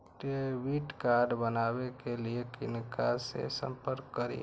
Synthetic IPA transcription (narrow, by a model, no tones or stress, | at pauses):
ʈeʋiːʈkaːɾɖbənaːwekeliekɪnkasḛsə̰̃mpəɾkːəɾḭ